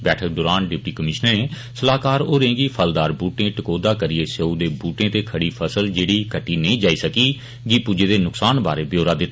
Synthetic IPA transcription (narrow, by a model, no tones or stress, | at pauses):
bɛːʈʰək̚d̪ɔːɾaːnɖɪp̚ʈiːkəmɪʃnəẽː | səlaːkaːɾoːɾẽːɡiːpʰəld̪aːɾbuːʈẽːʈəkoːd̪aːkəɾɪeːseːũd̪eːbuːʈẽːt̪eːkʰəɽiːpʰəsəld͡ʒeːɽiːkəʈːiːnəĩːd͡ʒaːiːsəkiː | ɡiːpuːd͡ʒeːd̪eːnʊksaːnba̰ːɾeːbjoːɾaːd̪ɪt̪ːa